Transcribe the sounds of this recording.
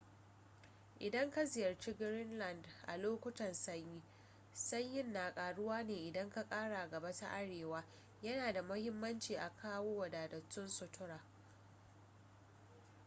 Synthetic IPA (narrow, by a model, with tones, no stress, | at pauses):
ʔɪ˨dɐ˦ŋka˦zɪ˨jɐ˨rt͡ʃi˦ɡɾɪ˦nlɐ˨ndʔa̰˨loː˦kʷʊ˦tɐ˨nsɐ˦ɲjiː˦ | sɐ˦ɲjɪ˦nːaː˨kʼaː˨ɽʊ˦waː˦neː˨ʔɪ˨dɐ˦ŋka˦kʼaː˦ɽa˨ɡɐ˨ba˦ta̰˦ʔa˦ɽeː˨waː˦ | jɐ˦naː˨da˨mʊ˦hɪ˦mːɐ˦nt͡ʃiː˨ʔa˨kʰaː˦woː˦wɐ˨daː˨dɐ˨tːʊ˦nsʊ˨tʰʊ˦ɽaː˨